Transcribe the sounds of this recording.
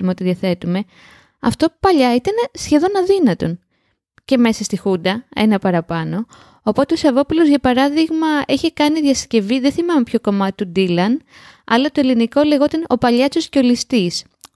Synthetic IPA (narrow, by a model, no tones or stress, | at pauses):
umeo̞t̪iðiɐθe̞t̪ume̞ | ɐ̰ft̪o̞pɐʎɐit̪ɐnsçe̞ðo̞nɐðinɐt̪o̞n | ce̞me̞sɐst̪ixund̪ɐe̞̰nɐpɐɾɐpɐno̞ː | po̞t̪eoisɐvo̞pulozʝɐpɐɾɐðiɣmɐeçekɐniðjɐsce̞viðeθimɐmepço̞ko̞mɐt̪t̪ud̪ilɐnɐ̰lɐt̪oeliniko̞le̞ɣo̞t̪ɐno̞pɐʎɐt͡sosceo̞list̪is